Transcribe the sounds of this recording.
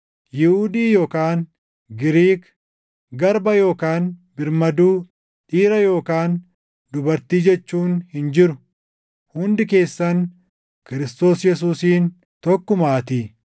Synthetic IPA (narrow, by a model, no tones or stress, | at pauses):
jɪhud̪iːjo̞ːkaːn | ɡɪɾiːk | ɡɐɾbɐjo̞ːkaːnbɪɾmɐd̪uː | ᶑʼiːɾɐjo̞ːkaːn | d̪ʊbɐɾt̪iːd͡ʒɛt͡ʃːuːnhɪnd͡ʒɪɾʊ | hʊnd̪ɪke̞ːsːɐn | kɪɾɪst̪o̞ːsjɛs̬uːsiːn | t̪ɔkːʊmaːt̪iː